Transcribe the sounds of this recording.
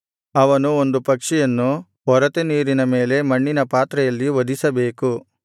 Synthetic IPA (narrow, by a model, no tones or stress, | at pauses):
ɐʋɐnuo̞nd̪upɐkʂijɐnːu | ɔɾɐt̪eniːɾinɐme̞ːle̞mɐɳːinɐpaːt̪ɾɐjɐlːiʋɐd̪isɐbe̞ːku